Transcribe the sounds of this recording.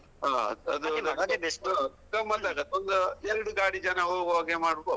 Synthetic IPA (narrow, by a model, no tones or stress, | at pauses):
ɦa̰ːɐd̪u | ɡɐmɐt̪ːaːɡɐt̪ːond̪uɛɾɐɽuɡaːɽid͡ʒɐnɐɦoːɡʋaːɡemaːɽb